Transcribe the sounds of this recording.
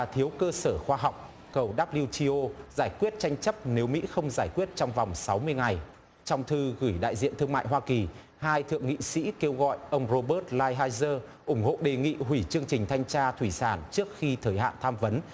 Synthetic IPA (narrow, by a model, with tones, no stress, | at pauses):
aː˨˩t̪ʰi˨˦əwkəː˧səː˧˩xwaː˧ɦa˨˩wk͡p̚ | kə˨˩wɗaː˦˥p̚li˧wt͡ɕi˧ʔo˧zaː˧˩jkwi˦˥ət̚t͡ɕa˧jŋ̟t͡ɕə˦˥p̚ne˨˦wmḭ˧˥xə˧wŋ͡mzaː˧˩jkwət̚t͡ɕɔ˧wŋ͡mva˨˩wŋ͡msa˨˦wmɨ˧əjŋa˨˩j | t͡ɕɔ˧wŋ͡mt̪ʰɨ˧ɣɨ˧˩jɗa̰ː˧˨jzḭ˧˨ənt̪ʰɨ˧əŋma̰ː˧˨jɦwaː˧ki˨˩ | haː˧jt̪ʰɨ̰˧˨əŋḭ˧˨sḭ˧˥ke˧wɣɔ̰˧˨jʔə˧wŋ͡mzo˧ɓəː˦˥t̚laː˧jɦaː˧jzəː˧ | ʔʊ˧˩ŋ͡mho̰˧˨ɗe˨˩ŋḭ˧˨ɦwi˧˩t͡ɕɨ˧əŋt͡ɕï˨˩ŋ̟t̪ʰa˧jŋ̟t͡ɕaː˧t̪ʰwi˧˩saː˧˩nt͡ɕɨ˦˥ək̚xi˧t̪ʰəː˨˩jhɦa̰ː˧˨nt̪ʰaː˧mvə˨˦n